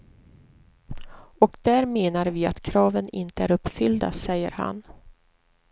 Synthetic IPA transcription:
ɔkd̪̥æːɾmeːnaɾviːa̰t̪kʰɾɑːvənɪ̰nt̪əæːɾɵpːfʏld̪a̰sɛjːə̰ɾha̰n

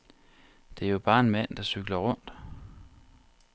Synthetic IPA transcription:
d̥e̝æjo̝b̥ɑ̈ːe̝nmæn̰d̥ɑ̈syɡ̥lɐʁɔ̽n̰d̥

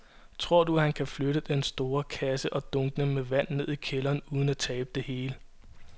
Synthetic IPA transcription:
t͡sʰʁo̝ɐ̰d̥uhænkʰæfløɾ̥əd̥ensd̥o̝ːɐkʰæsəʔɒ̽d̥ɔ̽ŋɡ̥ənəmeʋæn̰nːe̝ð̞̰ˠikʰelɐːnuːð̞ˠn̩æt͡sʰɛːb̥əd̥e̝he̝ːlə

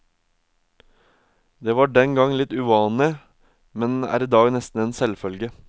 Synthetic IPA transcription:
d̪eːʋɑːɖɛŋɡɑŋlɪt̪ʉʋɑːnɪ | mɛnæ̰ːɾiːd̪ɑːɡnɛst̪n̩eːnsɛlfœlɡə

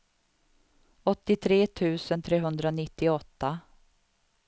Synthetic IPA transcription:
ɔt̪ːɪt̪ʰɾeːt̪ʰʉ̟ːsənt̪ʰɾeːɦɵnd̪ɾanɪt̪ːɪɔt̪ːa

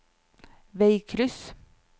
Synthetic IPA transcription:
ʋeɪkʰɾʏs

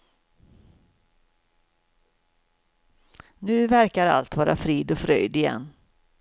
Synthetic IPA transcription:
nʉ̟ːvæɾkaɾa̰lt̪vɑːɾʔafɾiːd̪ɔfɾœjd̪ɪjɛ̰nː

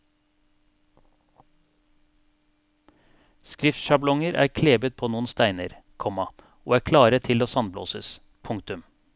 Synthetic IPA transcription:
skɾɪft̪ʃɑblɔŋəɾʔæ̰ːɾkʰleːbət̪̚pʰoːnuːənst̪æɪnəɾ | kʰɔmɑ | o̰ːæːkʰlɑːɾət̪ʰɪloːsɑnblo̰ːsə̰s | pʰʊŋkt̪ʉm

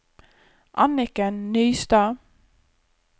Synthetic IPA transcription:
ʔɑnɪkənːyːst̪ɑː

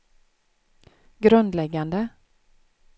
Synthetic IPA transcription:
ɡɾɵnd̪lɛɡːand̪ə

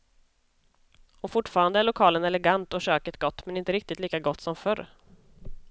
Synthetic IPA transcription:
ɔfʊʈːfɑːɾand̪əæɭʊkʰɑːlənɛlɛɡant̪ɔʂøːkət̪ɡɔt̪ːmɛnɪnt̪əɾɪk̚t̪ɪt̪liːkaɡɔt̪ːsɔmfœɾ

